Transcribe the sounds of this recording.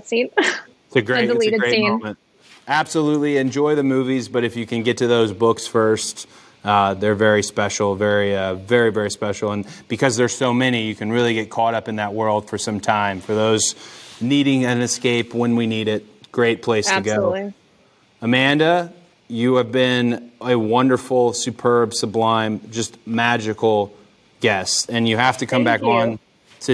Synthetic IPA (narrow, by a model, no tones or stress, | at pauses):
sĩn | ɨɡɹelieɪĩõmɨ̃nt̚ | æb̥səlutˡliɨ̃nd͡ʒɔɪðɨmʉvizbʌɾɨfjɨkɨ̃nɡɛtɨðoʊzbʊksfɜ˞st̚ | ʌðə˞vɛɹispɛʃl̩ˠvɛɹiʌvɛɹivɛɹispɛʃl̩ˠə̃nb̥ɨkʰʌzðə˞soʊmɛñijɨkʰɨ̃nɹɪlˠiɡɛt̚kʰɔɾʌpɨ̃nðət̚wɜ˞lˠd̥fə˞sʌ̃mtʰãɪ̃ɱfə˞ðoʊzniɾɪ̃ŋɨ̃nɨskeɪpwə̃nwiniɾɪt̚ɡ̥ɹeɪt̚pʰl̥eɪstʰɨɡoʊ | əmæ̃ndə | jɨːvbɪ̃nɨwʌ̃ndə˞fl̩ˠsʉpʰɜ˞b̥səblãɪ̃md͡ʒʌstmæd͡ʒɨkl̩ˠ | ɡ̥ɛsɨ̃njɨhæftɨkʰʌ̃mbækn̩ | tʰɨ